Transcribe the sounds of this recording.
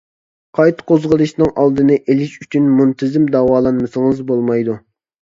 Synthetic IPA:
qʰɑjt̪ʰqʰozʁəlˠɨʃnɨŋʔɑlˠd̪ɨnɨʔelɪʃyt͡ʃʰynmunt̪ʰɪzɪmd̪ɑwɑːlˠɑnmɨsɨŋɨzbolˠmɑjd̪u

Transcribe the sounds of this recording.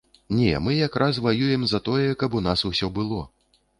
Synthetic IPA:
nʲɛ̰mɨjakɾʔas̬vajujɛmzɐt̪ɔjɛkɐpunasusʲɔbɨlˠɔ

